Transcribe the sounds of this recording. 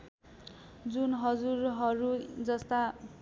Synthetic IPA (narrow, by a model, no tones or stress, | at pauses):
d͡zunɦʌd͡zuɾɦʌɾud͡zʌst̪a